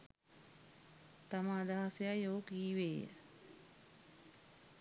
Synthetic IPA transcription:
t̪amaːd̪aɦasejajoːkiːʋeːjə̰

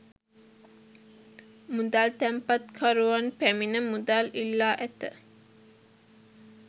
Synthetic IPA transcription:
mud̪aːlt̪æmpɐt̪kʰaɾuʋanpæminəmud̪aːlilːaːʔæt̪ə

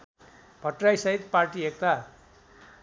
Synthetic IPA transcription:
b̥ʱʌʈrajsʌɦit̪̚parʈiek̚t̪a

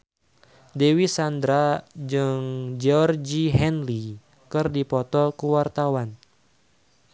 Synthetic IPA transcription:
dewisandɾad͡ʒɨŋd͡ʒɔrd͡ʒiɦɛnli | kɨrdipɔt̪ɔkuwart̪awan

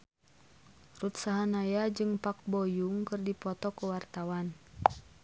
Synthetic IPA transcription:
rut̪saɦanajad͡ʒɨŋpak̚bɔjuŋkɨrdipɔt̪ɔkuwart̪awan

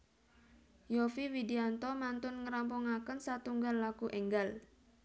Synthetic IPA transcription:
jofiwidiant̪ɔmant̪ʊnŋəɾampuŋakənsat̪uŋɡalːakuʔɛŋɡal

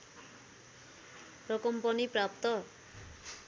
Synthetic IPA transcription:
rʌkʌmpʌniprap̚t̪ʌ

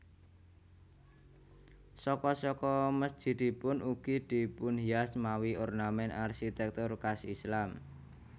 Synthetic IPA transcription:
sɔkɔsɔkɔməsd̥ʒ̥i̤d̪̥i̤pʊnuɡ̥id̪̥i̤pʊnɦiasmawiornamɛnarʃit̪ɛk̚t̪ʊrkasislam

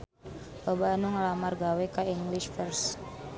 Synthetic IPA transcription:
pəbanuŋlamarɡawɛkaiŋɡliʃfərs

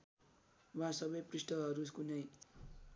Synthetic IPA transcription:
wasʌbʌjprisʈʌɦʌɾuskunʌj

